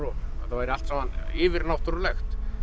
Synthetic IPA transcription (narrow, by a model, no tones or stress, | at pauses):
ɾuaθawɛɾɪalt̪saaniːvɪɾnaft̪uɾlœxt̪